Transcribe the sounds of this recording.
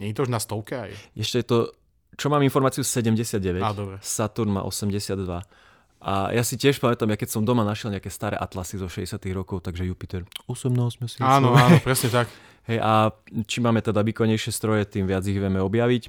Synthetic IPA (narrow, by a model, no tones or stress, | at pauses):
ɲɛɲit̪ɔuʒnast̪ɔʊkɛajʔɛʃcɛjɛt̪ɔ | t͡ʃɔmaːminfɔɾmaːt͡siusɛɟɛmɟɛsɪad̪̚ɟɛʋɛad̪ɔbɾɛsat̪uɾnma̰ːʔɔ̰sɛmɟɛsɪad̪ːʋa | ʔa̰jʔasicɪɛʃpamɛt̪amjakɛcsɔmd̪ɔmanaʃjɛlɲɛakɛst̪aːɾɛ̰ʔat̪lasizɔʃɛɟɛsɪat̪iɣɾɔkɔʊt̪aɡʒɛjupit̪ɛɾusɛmnɔɔsmɛsiaːnɔaːnɔpɾɛsɲɛt̪ak | ɦɛjʔat͡ʃimaːmɛt̪ɛd̪aʋiːkɔɲɛjʃɪɛst̪ɾɔjɛt̪iːmʋɪad͡ziɣʋjɛmɛɔbjaʋic